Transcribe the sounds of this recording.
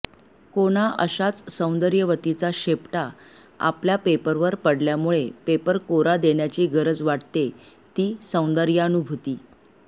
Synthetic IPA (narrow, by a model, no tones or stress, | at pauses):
koɽ̃aʔə̰ɕat͡ssə̃w̃nd̪əɾjəʋət̪it͡saɕepʈa | a̰pljapepəɾʋəɾpəɽljamuɭepepəɾkoɾad̪eɳjat͡ɕiːɡəɾəd͡zʋaʈt̪e | t̪iːsə̃w̃nd̪əɾjəənubʱut̪iː